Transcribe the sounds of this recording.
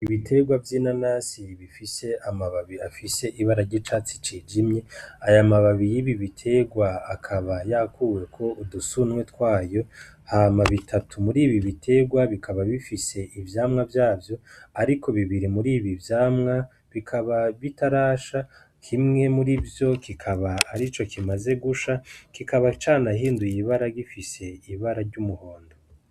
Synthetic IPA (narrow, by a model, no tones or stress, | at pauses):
iβitʰe̞ɡwavjinanasiβifise̞amaβaβiafise̞ʔiβaɾaɾɟit͡ʃaːt͡si̥t͡ʃiːd͡ʒimɲe̞ajamaβaβijiβiβitʰe̞ɡwaakʰaβajakuwe̞kʰo̞ʔudusunŋwetwaːjo̞ | hamaβitʰatʰumuɾiːβiβitʰe̞ɡwaβikʰaβaβifise̞ʔivjaːmŋavjaːvjo̞aɾiko̞βiβiɾimuɾiːβivjaːmŋa | βikʰaβaβitaɾaːʃa | kʰimŋe̞muɾivjo̞kikʰaβaːɾit͡ʃo̞kʰimaze̞ɡuʃakikaβat͡ʃaːnaɦiːndujiβaɾaɡifise̞iβaɾaɾɟumuho̞ːndo